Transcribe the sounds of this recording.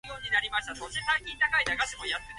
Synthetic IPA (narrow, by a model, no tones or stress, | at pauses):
joːɲ̟inaɾʲimaɕi̥t̪asoːɕet̪ãɲʲɲʲːĩt̪akaid̪aɡaɕimojat̪ːe